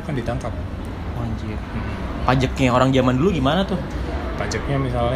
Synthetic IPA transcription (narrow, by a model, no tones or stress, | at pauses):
kandit̪aŋkat̪̚ | waɲd͡ʒʊrm̩pad͡ʒək̚ɲaoɾaŋd͡ʒamanduluɡimanat̪ʊhpad͡ʒək̚ɲamisalɲ